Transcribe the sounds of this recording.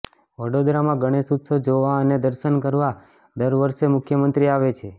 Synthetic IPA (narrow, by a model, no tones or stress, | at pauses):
ʋəɽod̪ɾamãɡʱəɽ̃esut̪sod͡ʒoʋaəned̪əɾʃənkəɾʋa | d̪əɾʋəɾʃemʊkʰjəmənt̪ɾiaʋet͡ʃʰe